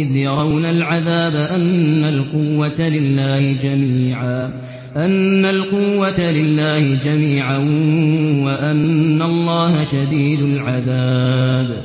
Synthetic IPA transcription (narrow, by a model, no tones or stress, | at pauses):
ɪðjɑɾˤɑwnalʕaðaːbaʔanːalqʊwːat̪alɪlːaːhɪd͡ʒamiːʕaː | ʔanːalqʊwːat̪lɪlːaːhɪd͡ʒamiːʕan | waʔanːalˤːɑːhaʃad̪iːd̪ʊlʕaðaːb